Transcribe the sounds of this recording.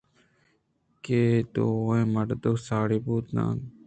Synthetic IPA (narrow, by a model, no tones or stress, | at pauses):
keːt̪ooẽːməʈd̪osaːɽiːbuːt̪nã̰ː